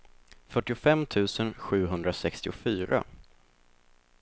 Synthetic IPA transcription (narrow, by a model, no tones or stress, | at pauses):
fœʈːɪʊfɛmːt̪ʰʉ̟ːsənɧʉ̟ːɦɵnd̪ɾasɛkst̪ɪʊfyːɾʔa̰